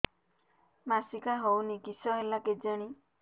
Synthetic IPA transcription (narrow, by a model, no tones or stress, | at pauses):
masikaɦownikisɔɦelaked͡ʒaɽ̃i